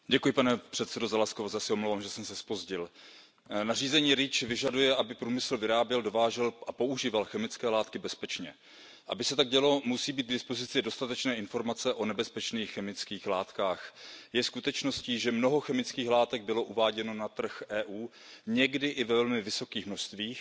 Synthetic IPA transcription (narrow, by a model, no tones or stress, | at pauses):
ɟɛkujɪpanɛpr̥ɛt̪sɛdo̞zalaskovozasɛomlowvaːmʒɛsɛmsɛspo̞zɟɪl | nar̝iːzɛɲiːɾɪt͡ʃvɪʒadujɛʔabɪpɾuːmɪsl̩vɪɾaːbjɛldo̞vaːʒɛlʔapo̞uʒiːvalxɛmɪt͡skɛːlaːt̪kɪbɛspɛt͡ʃɲɛ | ʔa̰bɪsɛt̪aɡ̚ɟɛlomusiːbiːt̪̚ɡdɪspozɪt͡sɪdo̞st̪at̪ɛt͡ʃnɛːɪnfo̞ɾmat͡sɛʔo̞nɛbɛspɛt͡ʃniːxːɛmɪt͡skiːxlaːt̪kaːxjɛskut̪ɛt͡ʃno̞sciːʒɛmno̞ɦo̞xɛmɪt͡skiːxlaːt̪ɛɡ̚bɪlo̞ʔuvaːɟɛno̞nat̪r̩xʔɛːʔuː | ɲɛɡdɪʔɪvɛvɛlmɪvɪso̞kiːxmnoʃst̪viːx